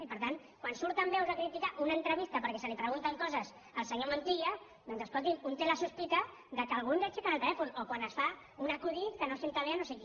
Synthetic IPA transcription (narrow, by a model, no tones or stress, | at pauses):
ipəɾt̪an | kwansuɾt̪ambɛwzakɾit̪ikaʔunaːnt̪ɾəβist̪ɐpəɾkɛsəlipɾəɣunt̪əŋkɔzəz | əlˠsəɲomont̪ia | d̪ɔnzəskɔlˠt̪imunt̪elasuspik̪a | ðəkəːlɣunzet͡ʃikanəlˠt̪əlɛfunokwanəsfa | unakuðit̪kənosent̪aleanoseki